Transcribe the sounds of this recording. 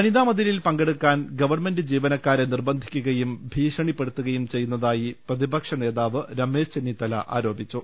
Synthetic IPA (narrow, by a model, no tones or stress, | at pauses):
ɐniðaːmɐðililpɐŋɡeɽukːaːnɡɐʋɐrme̞ndɨd͡ʑiːʋɐnɐkːaːɾenirbɐnd̪ʱi̥kʲːuɣɐjumbʱiːʂɐɳipːe̞ɽut̪ːuɣɐjumt͡ɕe̞jːunːɐðaːjiprɐðibɐkʂɐne̞ːðaːʋɨɾɐme̞ːʂt͡ɕe̞nːit̪ɐlɐ̰ʔa̰ːɾo̞ːbit͡ɕːu